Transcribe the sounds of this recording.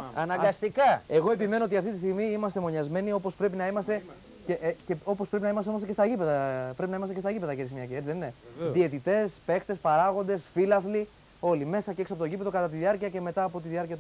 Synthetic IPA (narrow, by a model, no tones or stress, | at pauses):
ɐnɐɡɐst̪ikɐe̞ɣo̞e̞pime̞noot̪iɐft̪it̪ist̪iɣmiimɐst̪e̞mo̞ɲɐzme̞nio̞po̞spɾe̞pinɐimɐst̪e̞ | ceʔceo̞pospɾe̞pinɐimɐst̪eost̪ɐcest̪ɐʝipe̞ðɐpɾepinɐimɐst̪cest̪ɐʝipe̞ðɐʝeɾisimɲɐkcie̞t͡ssiðenneðie̞t̪it̪e̞spe̞xt̪e̞spɐɾɐɣo̞nd̪e̞sfilɐfli | o̞lime̞sɐceesopo̞t̪oʝipe̞ðo̞kɐt̪ɐt̪iðiɐɾciɐce̞me̞t̪ɐːpo̞t̪iðiɐɾciɐt̪